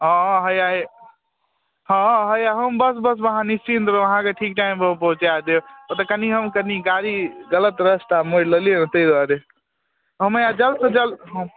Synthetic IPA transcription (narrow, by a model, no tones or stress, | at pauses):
ɦɔ̃ɦəjae | ɦɔ̃ɦəjaɦəmbəsbəsbəɦãnist͡ʃint̪oɾəɦãkeʈʰik̚ʈaimbəpəɦũt͡ʃead̪epət̪əkəniɦəmkəniɡaɾiɡələt̪ɾəst̪amoɾləliənt̪əid̪waɾe | ɦəməjad͡ʒəlsəd͡ʒəlɦə̃m